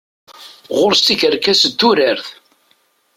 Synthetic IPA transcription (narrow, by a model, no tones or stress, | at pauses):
ʁʊɾst̪ikəɾkæsəd̪ːuɾəɾθ